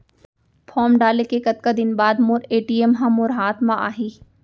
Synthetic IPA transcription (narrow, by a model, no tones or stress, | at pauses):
fʰɔːmɖaːlekekɐt̪̚kad̪ɪnbaːd̪mʊɾeːʈiːemɦãmʊɾɦaːt̪mãʔa̰ːɦiː